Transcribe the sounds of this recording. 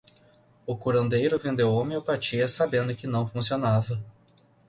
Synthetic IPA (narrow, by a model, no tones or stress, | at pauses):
ʊkuɾɐ̃nd̪ejɾʊvẽnd̪ewõmeopat͡ʃiɐsabẽnd̪ʊkɪnɐ̃w̃fũsionavɐ